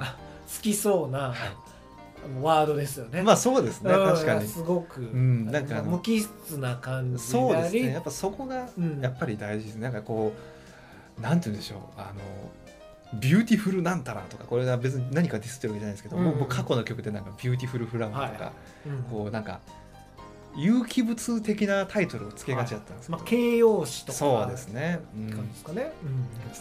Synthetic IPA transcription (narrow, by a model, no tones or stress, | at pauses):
a | sɨ̥kʲiso̞ːna | βaːd̪o̞d̪e̞sɨjonemaːso̞ːd̪e̞sɨnet̪ːaɕikaɲ̟isɨɡo̞kɯ̟ɯɯ̟̃nãŋkaːnomokʲist͡sɨnakãɲd͡ʑso̞ːdaeɨɾʲinejapːai̥so̞ko̞ɡajapːaɾʲid̪aiʑid̪esneaŋkako̞ː | nãnt̪ɯɨɯ̟nd̪e̞ɕo̞̰ːa̰no̞̰ | bʲjɨːt̪ʲiɸɯ̟ɾɯ̟nãnt̪aɾa̰t̪okako̞ɾe̞ɡabe̞t͡sɨɲ̟inaɲ̟ikad̪ʲisɨ̥t̪ːeβaked͡ʑanaid̪sked̪omoːkʰːako̞no̞kʲo̞kɯ̟d̪e̞nãŋkabʲɨ̟ːt̪̬ʲiɸɯ̟ɾɯ̟ɸɯ̟ɾãmoka̰ | ko̞ːnãŋka̰ | jɯːkʲibɯ̟t͡sɨt̪e̞kʲinat̪ʰait̪o̞ɾɯ̟ot͡sɨ̥ke̞ɡat͡ɕiat̪ːand̪eskedkeːjoːɕi̥t̪oso̞ːd̪e̞sɨne̞ɯ̟̥̃kne